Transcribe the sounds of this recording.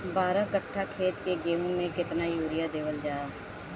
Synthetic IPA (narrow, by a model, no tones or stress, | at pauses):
baːɾãːkəʈʰːaːkʰeːt̪keːɡeːɦũːmẽːkɪt̪naːjuːɾɪjaːd̪eːʋəld͡ʒaːaː